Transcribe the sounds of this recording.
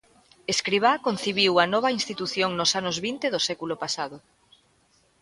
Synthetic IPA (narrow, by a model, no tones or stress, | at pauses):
eskɾiβ̞akon̟θiβiwɐnɔβɐinst̪it̪uθjoŋnosanʊzβint̪eðosɛkulʊpasaðʊ